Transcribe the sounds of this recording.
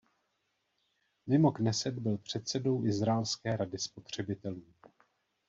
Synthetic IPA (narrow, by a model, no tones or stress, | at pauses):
mɪmo̞knɛsɛd̪bɪlpr̝̥ɛt̪sɛdo̞wʔɪzɾaɛlskɛːɾadɪspo̞t̪r̝̥ɛbɪt̪ɛluː